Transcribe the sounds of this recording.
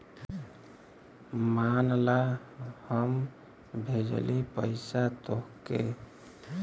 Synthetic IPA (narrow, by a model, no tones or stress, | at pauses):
manlahəm | bʱed͡ʒə̰lipəɪsat̪oɦkḛ